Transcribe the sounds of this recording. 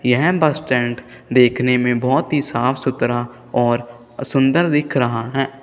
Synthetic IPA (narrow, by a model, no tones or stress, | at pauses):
jəɦɛ̃bəsʈɛ̃ːɳʈ | d̪eːkʰnemẽbɔːt̪ɦisaːpʰsʊt̪ɾa | ɔːɾ | sʊ̃nd̪əɾd̪ɪkʰɾəɦaɦɛː